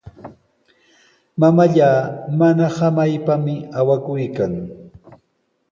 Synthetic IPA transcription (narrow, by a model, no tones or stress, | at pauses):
mamaʎaːmanahamajpamɪawakʊjkaŋ